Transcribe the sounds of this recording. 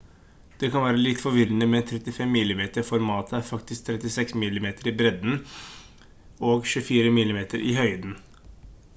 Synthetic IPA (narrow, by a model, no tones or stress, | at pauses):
d̪̥ɛkɑnʋæːɾəlɪt̪ːfɔɾʋɪɾənəmɛt̪ʰɾɛt̪ɪfɛmːɪlːɪmeːt̪əɾfɔɾmɑːt̪ʰəæɾfɑkt̪ɪsk̚t̪ʰɾɛt̪ɪsɛksmɪlːɪmeːt̪əɾibɾɛd̪n̩ | oːɡʃʉːfiːɾəmɪlːɪmeːt̪ʰəɾʔihœʏd̪n̩